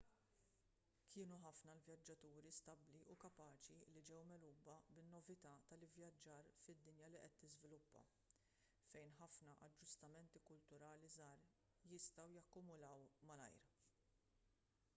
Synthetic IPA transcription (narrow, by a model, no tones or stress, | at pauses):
kʰɪːnuħɐfnɐlvjɐd͡ʒːɐt̪uːɾist̪ɐbliʔukɐpɐːt͡ʃilid͡ʒɛwmɛluːbɐbɪnːɔvɪt̪ɐt̪ɐlɪvjɐd͡ʒːɐːɾfɪd̪ːɪnjɐliʔɛt̪ːɪzvɪlʊpːɐ̰ | fɛjnħɐfnɐʔɐd͡ʒːʊst̪ɐmɛnt̪ikʊlt̪ʊɾɐːlizɐːɾ | jɪst̪ɐwjɐkːʊmʊlɐwmɐlɐ̰jɾ